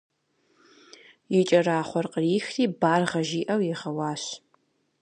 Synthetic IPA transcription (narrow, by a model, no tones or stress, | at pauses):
jɪt͡ʃʼɐraːχʷɔrqəriːxriːbaːrʁɐʒiːʔɐwjɪʁɐwɑːɕ